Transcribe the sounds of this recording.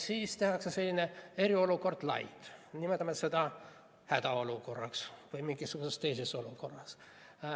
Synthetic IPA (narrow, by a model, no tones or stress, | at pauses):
siːst̪e̞ɦɑkse̞selʲːine̞e̞ɾio̞luko̞rd̪̥lɑ̰jd̪̥nimet̪ːˑɑmet̪se̞d̪̥ɑ | hæd̪ɑo̞luko̞rːɑ̰ksvɯjmiŋɡisːuɡ̥use̞st̪e̞jseso̞luko̞rːɑs